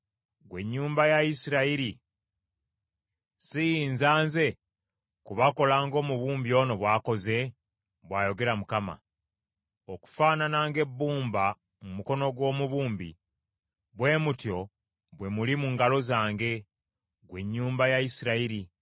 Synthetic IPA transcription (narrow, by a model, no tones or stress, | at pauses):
ɡwe̞ɲːuːmbajaisiɾaiɾi | sijiːnzaːnze̞ | kuβako̞laːŋɡo̞ːmuβuːmbio̞ːno̞βwaːko̞ze̞ | βwaːjo̞ɡe̞ɾamukama̰ | oku̥faːnanaːŋɡe̞bːuːmba | mumuko̞no̞ɡwo̞ːmuβuːmbḭ | βwe̞ːmutjo̞ | βwe̞mulimuŋɡalo̞zaːŋɡe̞ | ɡwe̞ɲːuːmbajaisiɾaiɾi